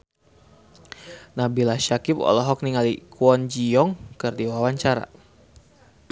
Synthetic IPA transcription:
nabilaʃakɪpɔ̰lɔɦɔk̚niŋalikuɔnd͡ʒiɔŋkərdiwawaɲt͡ʃaɾa̰

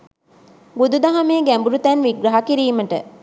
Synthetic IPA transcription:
bud̪ud̪aɦameːɡæmbuɾut̪ænʋiɡɾɐɦakiɾiːməʈə

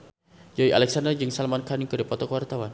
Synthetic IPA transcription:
d͡ʒaiʔalɛksandərd͡ʒɨŋsalmankaniŋkədəpɔt̪ɔkəwart̪awan

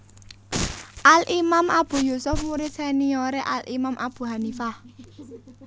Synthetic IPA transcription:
ʔalʔimamʔab̥ṳjusʊfmuɾit̪senioɾeʔalʔimamʔab̥ṳɦanifa

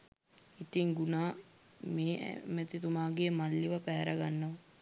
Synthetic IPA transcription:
it̪iŋɡunaː | mḛːmət̪it̪umaːɡemalːiʋəpæːɾaɡanːəʋɐ

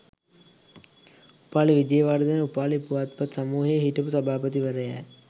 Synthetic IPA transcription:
upaːliʋid͡ʒ̪ejəʋaːɾd̪ənupaːlipuʋaːt̪̚pɐt̪sɐmuːɦejəɦiʈəpusɐbaːpət̪iʋəɾəjɛ̰ː

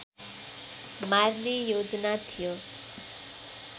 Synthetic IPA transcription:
maɾnijoːd͡ʒnat̪ʰijo

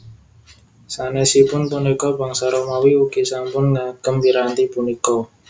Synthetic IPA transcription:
sanɛsipʊnpunikɔbaŋsaɾomawiukisampʊnŋaɡ̥əmbiɾant̪ipunikɔ

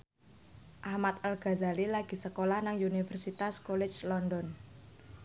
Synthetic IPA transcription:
ʔahmat̪alɡ̥a̤zalilaɡ̥i̤səkolahnaŋunifɛrsit̪askɔlɛ̥t͡ʃlɔndɔn

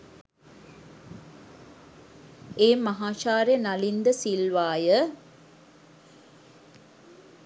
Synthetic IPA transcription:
eːmɐɦaːʃaːɾjenɐlind̪əsilʋaːjə

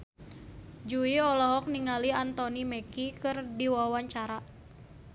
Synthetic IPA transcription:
d͡ʒuiɔlɔɦɔk̚niŋaliant̪ɔnimɛkikɨrdiwawaɲt͡ʃaɾa

